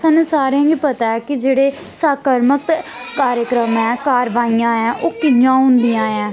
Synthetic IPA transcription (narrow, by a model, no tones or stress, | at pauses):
sãːnũːsaːɾejãːɡiːpət̪aːɛːkɪd͡ʒeːɽeː | saːkəɾməkːaːɾjəkɾəmɛ̃ːkaːɾʋaːijãːɛːʔoːkɪjãːɦʊ̃nd̪ijãːɛ̃ː